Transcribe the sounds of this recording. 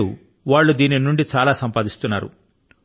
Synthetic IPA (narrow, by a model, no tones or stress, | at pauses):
u | ʋaːɭːud̪iːninuɳɖit͡ʃaːlaːsɐmpaːd̪ist̪unːa̰ːɾṵ